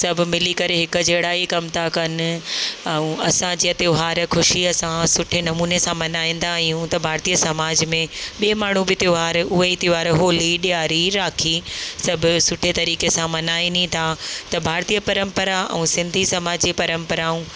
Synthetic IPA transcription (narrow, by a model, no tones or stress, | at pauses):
sɐbʱʊ̆mɪlikɐɾeɦɪkʊd͡ʑɐɪɽaːikɐmt̪ʰakɐn̆ | ɛ̃ũɐsãd͡ʑiːɐt̪ɪjoːɦaːɾxʰʊʃiɐsãsʊʈʰenɐmuːnesãmɐnaːĩːn̆d̪aːijũt̪ɐbʱaːɾt̪iːəsɐmaːd͡ʑmẽɓiːmaːɳ̤ubɪt̪joːɦaːɾʊɦeit̪jɦaːɾɦoːliɗijaːɾiɾaːkʰisɐbʱʊ̆sʊʈʰet̪ɐɾiːkesãmɐnaːĩnit̪ʰat̪ɐbʱaːɾt̪iːəpɐɾə̃mpəɾaʔɛ̰̃ũsɪ̃nd̪ʱisɐmaːd͡ʑipɐɾə̃mpəɾaːũː